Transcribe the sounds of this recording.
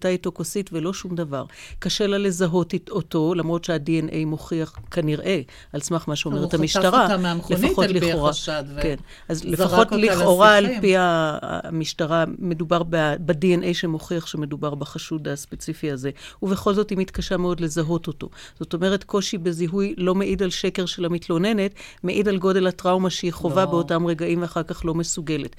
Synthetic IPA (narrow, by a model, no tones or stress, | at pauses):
taitokositvelo̞ʃumdava̰ʁkaʃe̞lale̞zaɦo̞toto̞lamʁo̞tʃeadienʔejmo̞χiaχkaniʁʔe̞ | alsmaχmaʃeomeethamiʃtaʁamlefaχotliχoʁaken | ʔazlefaχo̞tliχo̞ʁaːlpia̰miʃtaʁame̞dubaʁbadienʔejʃemo̞χiaχʃeme̞dubaʁbaχaʃudaspet͡sifiaze̞uve̞χo̞lzo̞thimitkaʃameo̞dle̞zaɦo̞to̞to̞̰ | z̥o̞to̞me̞ʁe̞tko̞ʃibeziɦujlo̞me̞ʔidalʃekeʁʃelamitlo̞ne̞ne̞tmeʔidalɡo̞de̞latʁawmaʃeiχovabeotamʁe̞ɡaimveaχaʁkaχlo̞me̞suɡe̞let